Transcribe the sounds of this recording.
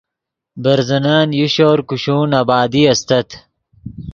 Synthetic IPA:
bɐɾzɐnaːnjuɕoːɾkuɕuːnabaːd̪iɐst̪ɐt̪ʰ

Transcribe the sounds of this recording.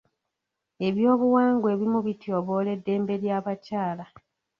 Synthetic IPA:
e̞βjo̞ːβuwaːŋɡwe̞ːβimuβitjo̞βo̞ːle̞dːe̞ːmbe̞ɾjaːβacaːla

